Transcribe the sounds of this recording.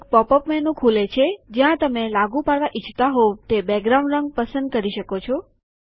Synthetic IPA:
kpɔpəpmɛnːũkʰulet͡ʃʰed͡ʒjãt̪əmelaɡũpaɽʋaʔit͡ʃʰt̪aɦot̪ebɛɡɾaũɳɖɾəŋɡ̚pəsə̃nd̪̚kəɾiʃəkot͡ʃʰɔ

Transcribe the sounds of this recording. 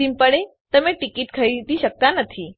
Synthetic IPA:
impəɽe | t̪əmẽʈikiʈ̪kʰəit̪iɕək̚t̪anət̪ʰi

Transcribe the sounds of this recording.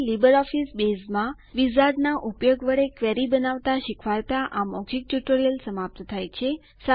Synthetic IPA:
libəɾɔfisbesmã | ʋizaɖnaʔupjoɡʋəɭekʋɛɾibənaʋt̪aʃɪkʰʋaɾt̪aʔamɔɡd͡ʒik̚ʈjuʈoɾijəlsəmap̚t̪ət̪ʰajt͡ʃʰe | sa

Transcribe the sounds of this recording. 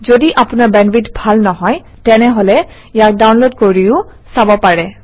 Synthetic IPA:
zodiʔapʊnaɹbɛnbitbʱalnɔɦɔj | tɛnɛɦolɛ | ijak̚dawnlodkoɹiʊ | sabɔpaɹɛ

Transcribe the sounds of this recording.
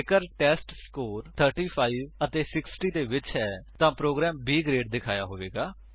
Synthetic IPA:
ɪkəɾʈɛːsʈskoːɾt̪ʰəɾʈiːpʰaːiːʋət̪eːsɪksʈiːd̪eːʋɪt͡ʃɦɛːt̪ãːpɾoːɡɾɛːmbiːɡɾeːɖd̪ɪkʰaːjaːɦoːʋeːɡaː

